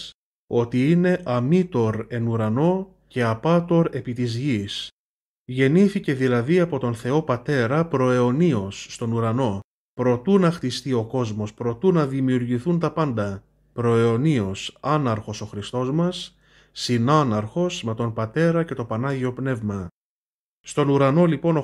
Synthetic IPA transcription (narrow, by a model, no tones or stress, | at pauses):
o̞t̪iine̞ʔɐmit̪o̞ɾe̞nuɾɐno̞ | ce̞ɐpɐt̪oɾe̞pit̪izʝis | ʝe̞niθice̞ðilɐðiɐpo̞t̪o̞nθe̞o̞pɐt̪e̞ɾɐpɾo̞eonio̞sːt̪o̞nuɾɐno̞ | pɾo̞t̪unɐxt̪ist̪io̞ko̞zmo̞spɾo̞t̪unɐðimiuɾʝiθunt̪ɐpɐnd̪ɐ | pɾo̞eo̞nio̞sɐnɐɾxo̞so̞xɾist̪o̞zmɐsː | inɐnɐɾxo̞sme̞t̪o̞npɐt̪e̞ɾɐce̞t̪o̞pɐnɐʝio̞pne̞vmɐ | st̪o̞nuɾɐno̞lipo̞no